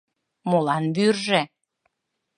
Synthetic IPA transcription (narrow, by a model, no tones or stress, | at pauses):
molɑnβyrʒe